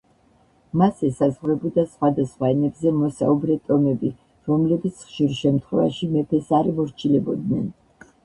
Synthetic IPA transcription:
masɛsazʁɾɛbɔd̪asχwad̪asχwaɛnɛbzɛmɔsaubɾɛt̪ʼɔmɛbi | ɾɔmlɛbit̪sʰχʃiɾʃɛmt̪ʰχwɛva̰ʃimɛpʰɛsaɾimɔɾt͡ʃʰilɛbɔd̪nɛn

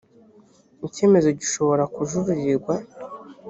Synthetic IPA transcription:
ice̞ːme̞zo̞ɟiʃo̞βo̞ɾakuʒuɾuɾiɾɡwa

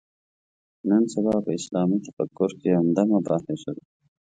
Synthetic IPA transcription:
nənsabɑpəɪslɑːmit̪ḁfa̰kːʊɾkeamd̪amabɾɑt̪eʂəwe

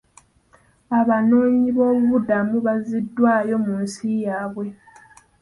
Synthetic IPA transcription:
aβano̞ːɲiβo̞ːβuβudamuβazidːwaːjo̞munsijaːβwe̞

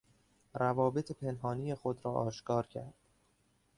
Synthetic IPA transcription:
ɾævɒːbe̞t̪ʰepʰe̞nɦɒːniːjexod̪ɾɒːʔɒːʃkʰɒːɾcʰæ̰ɾd̪̥

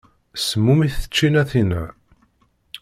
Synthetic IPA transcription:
səmːumiθə̥t͡ʃːinæθinæ

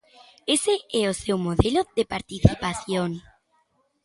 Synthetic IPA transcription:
eseɛosewmoðeloðepaɾt̪iθipaθjoŋ

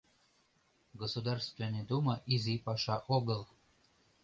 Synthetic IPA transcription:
ɡosud̪ɑrst̪vened̪uməʔizipɑʃɑʔoɣəl

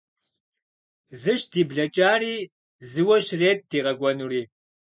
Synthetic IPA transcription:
zɨʃdiːbɮɐt͡ʃʼaːriː | zɨwɐʃreːt̚d̥iːʁɐɡʷɔnuriː

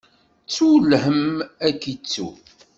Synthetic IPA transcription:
t͡sːulhəmækit͡sːṵ

